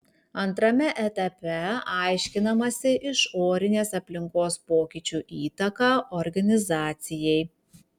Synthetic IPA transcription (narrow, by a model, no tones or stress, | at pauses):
ɐnt̪ɾɐmʲɛʔɛt̪ɐpʲɛɑɪʃʲkʲɪnɐmɐsʲɪʔɪʃoːɾʲɪnʲeːsɐpʲlʲɪŋkoːspoːkʲɪt͡ʃʲuʔiːt̪ɐkɑːʔɔɾɡɐnʲɪzɑːt̪sʲɪjɛɪ